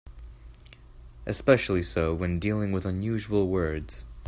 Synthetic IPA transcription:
ʔɨspɛʃl̩ˠisoʊwɨ̃ndilˠɪ̃ŋwəðə̃njʉʒwl̩ˠwɜ˞dz̥

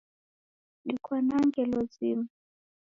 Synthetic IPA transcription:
likʰwanaŋɡɛlɔzima

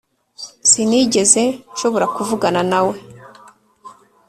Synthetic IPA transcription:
siniɟe̞ze̞nʃo̞βoɾakuvuɡananawe̞

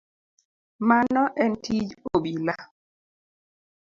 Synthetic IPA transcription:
manɔʔɛntʰid͡ʒobila

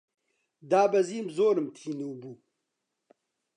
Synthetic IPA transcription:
d̪aːbɐziːmzoːɾɨmt̪ʰiːnuːbuː

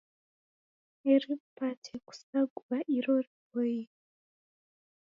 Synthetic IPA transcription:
eɾipatʰeku̥saɡuβaʔiɾoɾiboji

